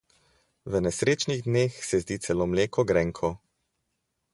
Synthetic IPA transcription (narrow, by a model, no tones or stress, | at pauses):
ʋənɛsɾeːt͡ʃniɣd̪neːxsɛzd̪it̪sɛlomleːkɔɡɾɛŋkʰɔ